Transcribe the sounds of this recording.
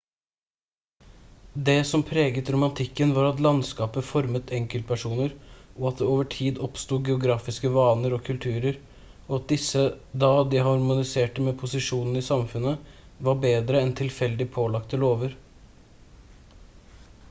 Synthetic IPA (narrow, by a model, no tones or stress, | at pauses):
d̪ɛsɔmpʰɾeːɡət̪ɾʊmɑnt̪ʰɪkːənʋɑːɾɑt̪lɑnskɑːpəfɔɾmət̪ʰɛŋkəlt̪pʰæʂuːnəɾʔɔɑt̪̚d̪ɛoːʋəʈʰiːd̪ɔpst̪uːɡɛʊɡɾɑːfɪskəʋɑːnəɾɔkʰʉlt̪ʰʉːɾəɾ | ɔɑt̪̚d̪ɪsːəd̪ɑd̪ɪɦɑɾmʊnɪseːʈəmɛpʰʊsɪʂuːnn̩ɪsɑmfʉnːə | ʋɑbeːd̪ɾəɛnt̪ʰɪlfɛld̪ɪpʰoːlɑkt̪əloːʋəɾ